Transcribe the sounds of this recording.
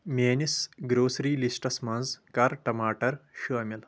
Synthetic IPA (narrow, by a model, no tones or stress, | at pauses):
mʲeːnisɡɾoːsɾiːlisʈɐsmɐnzkɐɾʈɐmaːʈɐɾʃoːmʲil